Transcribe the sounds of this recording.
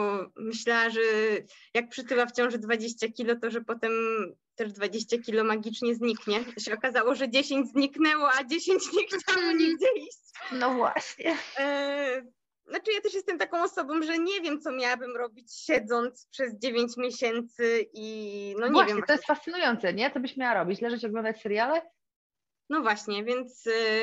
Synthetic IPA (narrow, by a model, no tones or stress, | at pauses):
mɘɕlawaʐɛjak̚pʂɨt̪ɘwaft͡ɕɔ̃w̃ʐd̪vad͡ʑeɕt͡ɕakʲilɔt̪ɔʐɛpɔt̪ɛmt̪ɛʐd̪vad͡ʑeɕt͡ɕakʲilɔmaɡʲit͡ʂɲɛzɲikɲɛɔɕɛɔkazawɔʐɛd͡ʑeɕeɲd͡ʑzɲiknɛwɔad͡ʑeɕeɲt͡ɕɲɛxt͡ɕawwɛɲiɡd͡ʑɛiɕt͡ɕnɔvwa̰ɕɲɛ | nat͡ʂɨjat̪ɛʂ̬jɛst̪ɛmt̪akɔ̃w̃ɔsɔbɔ̃mʐɛɲɛvʲjɛmt̪sɔmʲjawabɘmɾɔbʲit͡ɕɕɛd̪zɔnt̪spʂɛzd͡ʑevʲjeɲt͡ɕmʲjeɕɛnt̪sɘʔinɔɲɛvavjɛmvɛvt̪ɔjɛst̪fast̪sɘnujɔnt̪sɛɲɛt̪sɔbɘɕmʲjawaɾɔbʲit͡ɕlɛʐɛt͡ɕɔɡlɔ̃nd̪at͡ɕsɛɾjalɛ | nɔvwaɕɲɛvʲjɛnt̪s